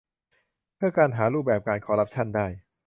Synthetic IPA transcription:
pʰɯ˥˩ɐkaː˧nɦaː˩˦ɾuː˥˩p̚bɛː˨˩p̚kaː˧nkʰɔː˧˦ɾa˦˥p̚t͡ɕʰa˥˩ndaː˥˩j

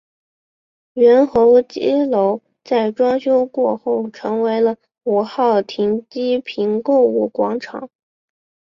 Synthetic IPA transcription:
ɥɛ˧˥nxɤ˧˥ʊt͡ɕi˥lo˧˥ʊ | t͡sa˥˩ɪʈ͡ʂwɑ˥ŋɕjo˥ʊkwɔ˥˧xo˥˩ʊʈ͡ʂʰɤ˧˥ŋwe˧˥ɪlə˧ | u˨˩xɑ˥˩ʊt̪ʰi˧˥ŋt͡ɕi˥pʰi˧˥nko˥˧ʊu˥˩kwɑ˧˥ŋʈ͡ʂʰɑ̰˨˩˦ŋ

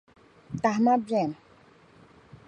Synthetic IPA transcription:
t̪a˨ɦma˦bjɛ˦˨m˨

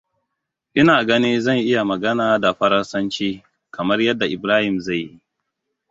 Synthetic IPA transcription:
ʔɪ˦naː˨ɡɐ˦niː˦zɐ˦˨nʔɪ˦ja˨mɐ˨ɡɐ˦naː˨da˨ɸɐ˦ɾɐ˦nsɐ˦nt͡ʃiː˦ | kɐ˨mɐ˦rjɐ˦dːa˨ʔɪ˨bɾaː˦hɪ˨mza˦˨jːi˦

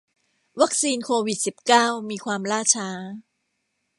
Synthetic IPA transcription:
wa˦˥k̚siː˧nkʰoː˧wi˨˩t̪̚si˨˩p̚kaː˥˩wmiː˧kʰwaː˧mɾaː˥˩t͡ɕʰaː˦˥

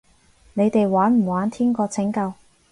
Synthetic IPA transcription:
ne˨˧jt̪e˨jwaː˨˥nm̩˨˩waː˨˥nt̪ʰiː˥nkɔː˧t͡sʰɪ˨˥ŋkɐ˧w

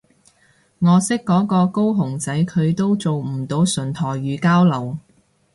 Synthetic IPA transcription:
ŋɔː˨˧sɪ˥kːɔː˨˥kɔː˧ko˥wɦʊ˨˩ŋt͡sɐ˨˥jkʰɵ˨˧ɥt̪o˥wt͡so˨wm̩˨˩t̪o˨˧wsɵ˨˩nt̪ʰɔː˨˩jɥyː˨˧kaː˥wlɐ˨˩w

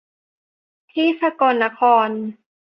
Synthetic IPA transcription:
t̪ʰiː˥˩sa˧kɔː˧nːa˦˥kʰɔː˧n

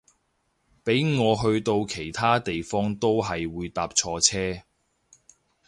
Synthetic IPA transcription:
pe˨˥jŋɔː˨˧ɦɵ˧ɥt̪o˧wkʰe˨˩jt̪ʰaː˥t̪e˨jfɔː˥ŋt̪o˥wɦɐ˨jwuː˨˧jt̪aː˨˧p̚t͡ʃʰɔː˧t͡sʰɛː˥

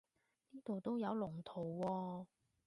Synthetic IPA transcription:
niː˥t̪o˨wt̪o˥wjɐ˨˧wlʊ˨˩ŋt̪ʰo˨˩wːɔː˧

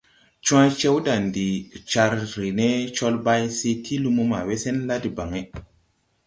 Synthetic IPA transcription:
t͡ʃũ˦ã˦t͡ʃe˦wda˨ndi˨t͡ʃa˧ɾɾi˨ne˦t͡ʃo˦lba˦jsi˦tʰi˦lu˧mu˦ma̰˨we˦se˦nla˦di˨ba˨ŋe˦

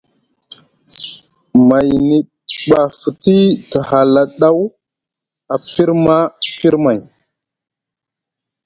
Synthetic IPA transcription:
ma˨jni˨ | ɓa˨fu˨ti˦tə˨ha˨la˨ɗa˦w | a˨pi˦ɾma˦pi˦ɾma˨j

